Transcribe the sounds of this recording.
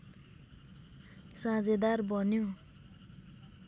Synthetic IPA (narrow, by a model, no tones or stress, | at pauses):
sãd͡zed̪arbʌnjo